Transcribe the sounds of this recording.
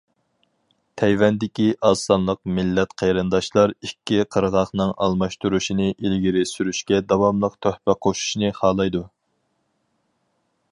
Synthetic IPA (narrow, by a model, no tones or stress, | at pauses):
t̪ʰɛjvɛnd̪ɪkʲiʔɑsɑnlˠəq̚mɪlːɛt̪qʰejɾɨnd̪ɑʃlˠɑɾikʲːiqʰəɾʁɑχnɨŋʔɑ̰lˠmɑʃt̪uɾuʃinɪʔilɡʲiɾɪsyɾyʃkʲɛd̪ɑwɑmlˠəqt̪ʰøhpɛqʰoʃu̥ʃnɨχɑːlˠɑjd̪u